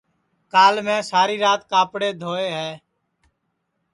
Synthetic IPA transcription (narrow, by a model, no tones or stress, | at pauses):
kaːlmɛ̃ːsaːɾiːɾaːt̪kaːpɽeːd̪ʱoːeːɦɛː